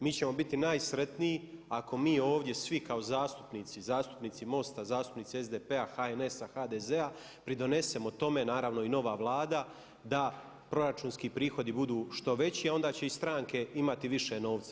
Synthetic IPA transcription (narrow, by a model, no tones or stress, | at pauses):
miːt͡ɕe̞mo̞bit̪inaːjsɾe̞t̪nijiakʰo̞miːo̞ːʋd̪je̞sʋikao̞zaːst̪u̥pniːt̪sizaːst̪u̥pniːt̪simo̞st̪azaːst̪u̥pniːt̪siezd̪epe̞axaene̞saxad̪eze̞a | pɾid̪o̞ne̞se̞mo̞t̪o̞me̞naːɾaʋno̞ino̞ʋaʋlˠaːd̪a | d̪a | pɾo̞ɾat͡ʃuːnskiːpɾiːxo̞d̪ibud̪uːʃt̪o̞ʋe̞t͡ɕiao̞nd̪aːt͡ɕe̞ist̪ɾaːŋke̞imat̪iʋiʃe̞no̞ːʋt̪sḁ